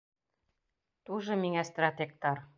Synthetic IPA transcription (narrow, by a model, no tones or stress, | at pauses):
t̪uʒɤ̆miŋæst̪rat̪ʲek̚t̪ɑr